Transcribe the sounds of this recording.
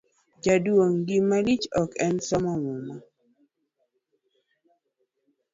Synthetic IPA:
d͡ʒaduoŋɡimalit͡ʃɔkɛnsɔmɔmuma

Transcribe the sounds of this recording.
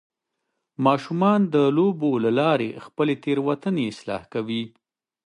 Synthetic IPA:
mɑʃumɑnd̪əlobolalɑɾḛxpəlet̪eɾwat̪əneɪslɑ̰hkawi

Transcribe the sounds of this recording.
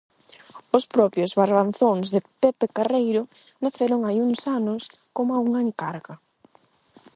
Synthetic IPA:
ʊspɾɔpjozβaɾβanθoŋzðepepekarejɾʊ | naθeɾʊŋajuŋsanʊs | komauŋɐeŋkaɾɣɐ

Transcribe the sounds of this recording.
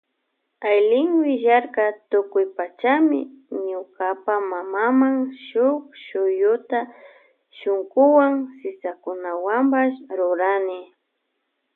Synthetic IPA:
ajlɪŋwɪʒaɾkat̪ʊkʊjpat͡ʃamɪ̰ɲʊkapamamamaŋʃʊkʃʊjʊt̪a | ʃʊŋkʊwaŋsɪsakʊnawampaʃɾʊɾanɪ

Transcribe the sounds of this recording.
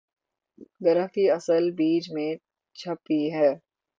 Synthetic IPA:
ɡɐɾəɦkiɐsəlbiːd͡ʒmẽ | t͡ʃʰɐpiɦɛː

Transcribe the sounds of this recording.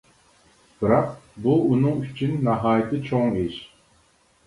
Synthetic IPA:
b̥ɨɾɑq̚buːnɨŋyt͡ʃʰynːæɦɑːjɪt̪ʰɨt͡ʃʰoŋeʃ

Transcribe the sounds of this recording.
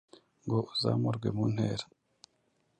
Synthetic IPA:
ŋɡoʔuza̰ːmuɾɡwe̞̰muːn̥heːɾa

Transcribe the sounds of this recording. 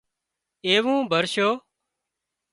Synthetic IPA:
eːʋũːbʱəɾʃoː

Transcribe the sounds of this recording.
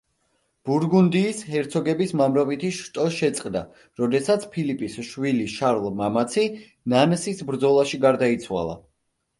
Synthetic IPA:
b̥uɾɡund̪iːshɛɾt̪sʰɔɡɛbismamɾɔvit̪ʰiʃt̪ʼɔʃɛt̪sʼqʼd̪a | ɾɔd̪ɛsat̪sʰpʰilipʼisʃwiliʃaɾlˠmamat̪sʰi | nansisbɾd̪zɔlˠaʃiɡaɾd̪ait̪sʰwa̰lˠa̰

